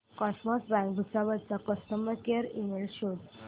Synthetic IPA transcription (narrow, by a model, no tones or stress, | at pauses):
kɔsmɔsbãŋkbʱut͡saʋəd̪t͡sakəsʈ̪əməɾkeɾimelɕod̪